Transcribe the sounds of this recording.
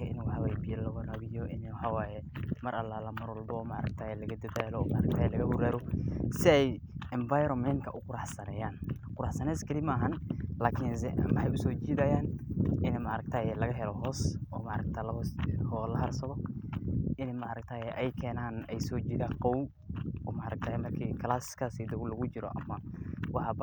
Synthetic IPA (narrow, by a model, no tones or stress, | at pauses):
kɐʔɪ̰nwħwɛjbɪjɐlɐwɐɾɐβɪjɔʔɪnwħɑwaːjɛmɐɾʔɐlaːlɐmɐɾɔlbɔɔːmaɾɐk̚t̪ʰaːjɛlɐɣɐd̪ɐðaːlɔːmɐʔɾɐk̚t̪ʰaːjɛlɐɣɐhʊɾaːɾɔsɪɛj | ɛɱvajɾɔmɛnkʰɐʔʊqʊɾɑħsɐnɛːjaːnqʊɾɑħsɐnɛːskʰɐlɪmɐːɦɐnlaːkʰɪnsɛmɐħajʊsɔːt͡ʃiːðaːjaːnɪnɛmɐʔɾɐɡ̚t̪ʰaːjɛlɐɣɐɦɛlɔɦɔːsʔɔːmɐɾɐk̚t̪ʰaːlɐβhɔlɐɦɐrsɐðɔ | ʔɪnɛmɐʔɾɐkt̪ʰaːjɛʔɛjkʰɛːnaːnɛjsɔːt͡ʃiːðaːqɔw | ɔːmɐɾɐk̚t̪ʰaːjɛmɐrkʰiːkʰɐlaːsɪ̥skʰasid̪ɔɣʊlɐɣʊt͡ʃɪɾɔ̰ʔɐ̰mːaːnwɑħɑb